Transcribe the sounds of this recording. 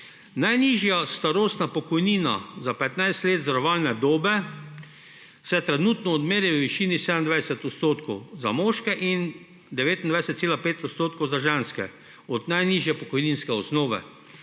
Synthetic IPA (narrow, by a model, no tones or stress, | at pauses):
najniːʒjast̪aɾoːst̪napɔkɔjniːna̰zapɛt̪najst̪leːt̪zaɾɔʋaːlnɛd̪oːbɛ | sɛt̪ɾɛnuːt̪nɔːd̪meːɾjɛʋʋiʃiːnisɛd̪ənd̪ʋajsɛt̪ɔt̪st̪oːt̪kʰɔwzamoːʃkɛʔin | d̪ɛʋeːt̪ind̪ʋajsɛt̪seːlapeːt̪ɔt̪st̪oːt̪̚kɔwzaʒɛnskɛ̰ | ɔd̪najniːʒjɛpɔkɔjniːnskɛɔsnoːʋɛ̰